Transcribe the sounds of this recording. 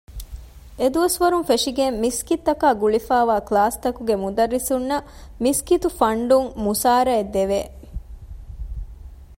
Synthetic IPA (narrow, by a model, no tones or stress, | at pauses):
ed̪uʋɐsʋɐɾunfeʂiɡemːiskit̪ːɐkaːɡuɭifaːʋaːklaːst̪ɐkuɡemud̪ɐɾːisunːɐ | miskit̪ufɐɳɖuŋmusaːɾɐed̪eʋeː